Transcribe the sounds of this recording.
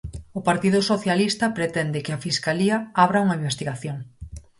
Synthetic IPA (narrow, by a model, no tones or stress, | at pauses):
ʊpaɾt̪iðʊsoθjalist̪ɐpɾet̪ɛnd̪ɪkɪɐfiskaliɐaβɾɐuŋɐimbest̪iɣaθjoŋ